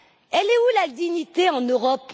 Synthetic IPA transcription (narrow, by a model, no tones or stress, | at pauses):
ɛlɛulad̪iɲit̪eɑ̃nøʁɔp